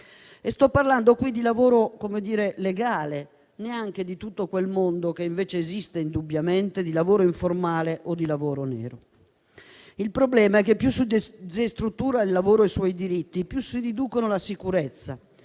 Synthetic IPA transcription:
est̪ɔpːarland̪okwid̪ilavoːɾokomed̪iːɾeleɡaːle | neaŋk̟ed̪it̪ut̪ːokwelmond̪okeiɱveːt͡ʃeːzist̪eind̪ubjament̪ed̪ilavoːɾoiɱformaːleʔod̪ːilavoːɾonɛ̰ːɾo | ilpɾoblɛːmaɛk̟ːepːjusːiest̪ɾut̪ːuːɾailːavoːɾoejswɔjd̪iɾit̪ːipjusːidid̪uːkonolasikuɾet̪sːa

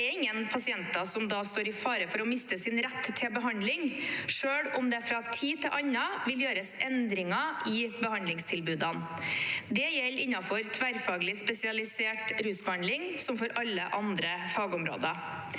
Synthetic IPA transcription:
ɛɾɪŋːənpʰɑsɪɛnt̪ɑsɔmd̪ɑːst̪oːɾɪfɑːɾəfɔɾɔmɪst̪əsɪnɾɛt̪ʰːɪlbəɦɑnd̪lɪŋʂøːɽɔmd̪ɛfɾɑt̪ʰiːt̪ʰɪlʔɑɲːɑʋɪljøːɾəsɛnd̪ɾɪŋɑʔɪbəhɑnd̪lɪŋst̪ʰɪlbʉːd̪ɑnd̪ɛjɛlːɪnːɑfɔɾt̪ʰʋæɾfɑːɡlɪspɛsɪɑlɪseːʈɾʉːsbəhɑnd̪lɪŋsɔmfɔɾɑlːəʔɑnd̪ɾəfɑːɡəɔmɾo̰ːd̪ɑ

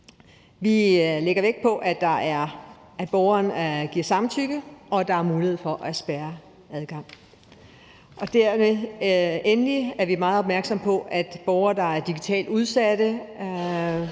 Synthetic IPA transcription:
ʋileɡ̥ɐʋeɡ̥̚pʰɒ̽ʔæd̥ɑ̈æɐ | æ̥b̥ɒʊɐːnɡ̥iɐ̰sɑ̈mnt͡sʰyɡ̥əɒ̽d̥ɑ̈æɐmuːlihe̝̞̰fɒ̽ʔæsb̥æɐ | æð̞ˠɡ̥ɑ̈ŋ̰ | ʔɒ̽d̥æɐme | enəliæɐʋimɑ̈ːð̩ˠɒ̽b̥̚mæɐɡ̥sɒ̽mpʰɒ̽ʔæd̥b̥ɒʊɐːd̥ɑ̈æɐd̥iɡ̥it͡sʰɛ̰ːld̥uð̞ˠsæd̥ə

